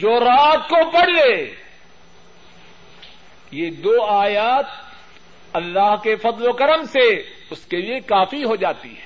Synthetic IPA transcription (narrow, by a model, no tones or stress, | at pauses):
d͡ʒoːɾaːt̪̚kopɐɽ̤leː | jed̪oːaːjaːt̪̚ | ɐlːaːɦkefɐd̪lokɐɾəmse | ʊskeliekaːfiɦod͡ʒaːt̪ḭɦɛː